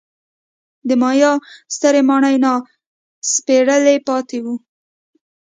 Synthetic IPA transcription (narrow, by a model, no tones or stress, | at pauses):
d̪əmɑjɑst̪əɾemɑɳəjnɑ | speɽəlepɑt̪ewu